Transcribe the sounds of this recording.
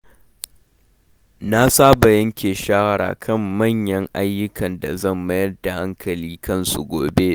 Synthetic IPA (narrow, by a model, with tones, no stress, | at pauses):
na˦saː˦ba˨jɐ˦ŋkʲeː˨ʃaː˦wɐ˦ɽa̰ː˨kʰɐ˦˨mːɐ˦˨ɲjɐ˦ŋʔa˦jːʊ˦kɐ˨nda̰˨zɐ˦˨mːɐ˦jɐ˦rda˨ha˦ŋkʰɐ˨liː˦kɐ˦nsu˨ɡʷoː˨be˦